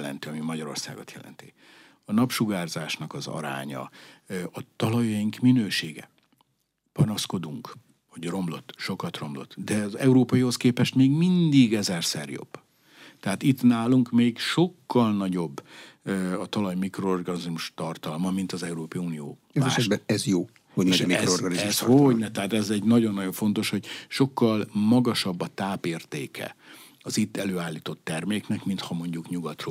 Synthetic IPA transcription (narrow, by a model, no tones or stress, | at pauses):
lɛ̰nt̪iɒmimɒɟɒɾo̞̰rsa̰ːɡo̞̰t̪jɛ̰lʔɛ̰nt̪i | ɒnɒpʃuɡaːrzaːʃnɒkɒzɒ̰ɾa̰ːɲɒ̰ɒt̪ɒlɒjɒjiŋkminøːʃeːɡɛ̰ | pɒnɒsko̞d̪uŋk | ɒɟro̞mlo̞t̪ːʃo̞kɒt̪ro̞mlo̞̰t̪ːd̪ɛzɛuɾoːpɒjiɦo̞skeːpɛʃt̪meːɡmind̪iɡɛzɛrsɛrjo̞̰bː | t̪ɛɦat̪it̪naːluŋkmeːɡʃo̞kːɒlnɒɟo̞bː | ɒt̪ɒlɒjmikroorɡɒnizmuʃt̪ɒrt̪ɒlmɒmint̪ɒzɛuɾoːpɒjiunioː | aɛʃɛbɛɛzjoː | hoɟmɛʃmikoorɡɒniɛsonɛt̪ɛɦaːt̪ɛzɛɟnɒɟo̞nːɒjo̞ɱfo̞nt̪o̞ʃho̞ɟʃo̞kːɒlmɒɡɒʃɒbːɒt̪aːpeːrt̪ḛːkʰɛ̰ | ɒzit̪ːɛløːaːlːiːt̪o̞t̪ːɛrmeːknɛkmint̪hɒmo̞ɲɟukɲuɡɒt̪ro